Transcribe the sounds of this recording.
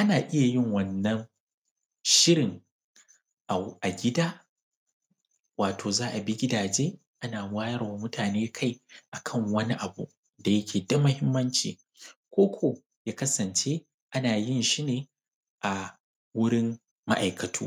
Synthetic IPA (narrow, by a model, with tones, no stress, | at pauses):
ʔa˦naː˨ʔɪ˦ja˨jɪ˦ŋwɐ˨nːɐ˦ŋ | ʃɪ˦ɾɪ˨ŋ | ʔa˨ʔa˨ɡʲɪ˦daː˦ | waː˨tʰoː˨zaː˦ʔa˨bi˦ɡʲɪ˦daː˨d͡ʒeː˦ | ʔa˦naː˨˦waː˦jɐ˦rwa˨mʊ˦tʰaː˨neː˦kʰa˦˨jʔa˨kʰɐ˦˨ŋwɐ˦ni˦ʔa˨bṵ˨ | da˨jɐ˦kʲʰeː˨da˦mʊ˦hɪ˦mːɐ˦nt͡ʃḭː˨ | kʷoː˦kʷʰo˨ | jaː˦kɐ˦sɐ˨nt͡ʃeː˦ | ʔa˦naː˨jɪ˦˨nʃi˦neː˨ | ʔa˨ | wʊ˦ɽɪ˦mː | a˦ʔa˨jkɐ˨tʰṵː˦